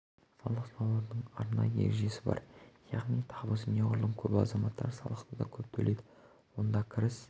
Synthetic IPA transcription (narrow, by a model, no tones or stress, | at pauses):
sɑlˠəqsɑlˠɑɾd̪əɴɑɾnɑjəḛɾʒe̞sɪbɑ̰ɾjɑʁnijt̪ʰɑbəzneʁʊɾlˠəɴkʲʰɵbɪɑ̰zɑmɑt̪ːɑɾsɑ̰lˠəqt̪ʰəd̪ɑkʲʰɵp̚t̪ʰɵlʔejd̪ɪ | wo̞nd̪ɑkʲʰɪɾɪs